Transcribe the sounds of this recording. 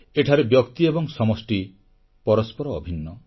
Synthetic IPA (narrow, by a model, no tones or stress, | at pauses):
eʈʰaɾebjɔkt̪iebɔŋsɔmɔsʈi | pɔɾɔspɔɾɔːbʱinːɔ